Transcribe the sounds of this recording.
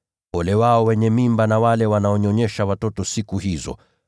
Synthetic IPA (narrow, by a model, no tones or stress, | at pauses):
pɔlɛwaɔwɛɲɛmimbanawalɛwanaɔɲɔɲɛʃawatɔtɔsikuhizɔ̰